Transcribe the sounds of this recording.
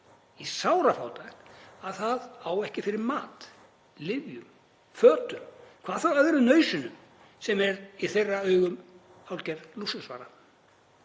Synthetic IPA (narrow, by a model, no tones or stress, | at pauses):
isaːwɾafaːwt̪ajxnaðθaðaːwɛhcɪfɪɾɪɾmaːt̪ | lɪvjʏm | fœːt̪ʏmkʰvaːðθawœðɾʏnœːɥsʏnʏm | sɛmɛɾiθejrːaœːɥɣʏm | awlcɛɾlusʏsvaːɾa